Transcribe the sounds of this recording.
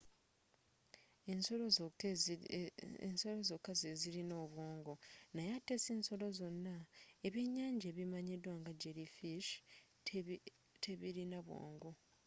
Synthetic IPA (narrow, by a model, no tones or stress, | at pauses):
ensol | nso̞lozokːazezilino̞ːβwo̞ːŋɡo̞najatːeseːnso̞lo̞zo̞nːaeβjeɲːaːɲɟeːβimaɲidwaŋɡaɟeɾifiʃ | tʰeβiɾinaβwo̰ːŋɡo̞